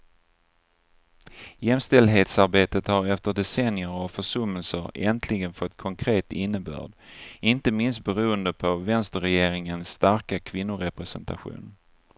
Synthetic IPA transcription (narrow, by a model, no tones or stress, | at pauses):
jɛmst̪ɛld̪ɦeːt̪saɾbeːt̪ət̪haɾɛft̪əɖɛsɛnjəɾavfœʂɵmːəlsəɾɛnt̪ʰlɪɡənfɔt̪ːkʰɔŋkʰɾeːt̪ɪnːəbœ̰ːɖʔɪnt̪əmɪnst̪̚bɛɾuːənd̪əpʰɔvɛnst̪əɾɛjeːɾɪŋənsːt̪aɾkakʰvɪnːʊɾɛpɾɛsɛnt̪a̰ɧṵːn